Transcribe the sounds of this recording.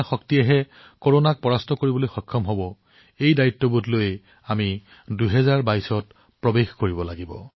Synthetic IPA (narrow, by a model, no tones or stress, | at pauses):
xɔktijɛɦɛ | koɹonak̚pɔɹastɔkoɹibɔlojxɔkʰːɔmɦɔbɔ | ejdaitːɔbutloj | ami | duɦɛzaɹbajsɔt | pɹɔbexkoɹibɔlaɡibɔ̰